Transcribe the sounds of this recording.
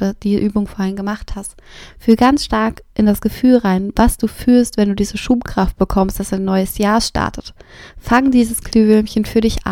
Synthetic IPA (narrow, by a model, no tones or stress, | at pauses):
d̥iːzʔyːbʊŋfoːɐhɪnɡəmaχthast | fyːlɡansʃtaɐkʔɪndasɡ̥əfyːlʁaɪnvasd̥uːfyːlstv̥ɛnduːdiːzəʃuːpkʁ̥aft̚b̥əkʰɔmstd̥asaɪnːɔʏəsjaːɐʃta̰ɐtʰətfaŋdiːzəskʰlyːvʏlmçənfyːɐdɪçʔa̰